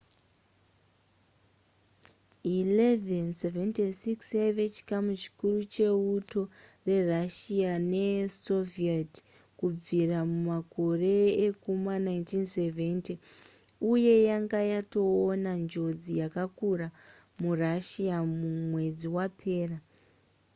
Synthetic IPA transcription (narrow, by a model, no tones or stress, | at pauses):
ilevenseventesiksjaiʋe̞t͡ʃi̥kamut͡ʃi̥kurut͡ʃe̞uto̞re̞raʃiane̞so̞viat | kub͡viramumako̞re̞ːkumanajntinseve̞nti | uje̞jaŋɡajato̞ːnand͡ʒo̞d͡zijakakura | muraʃiamumwe̞d͡ziwapʰe̞ːra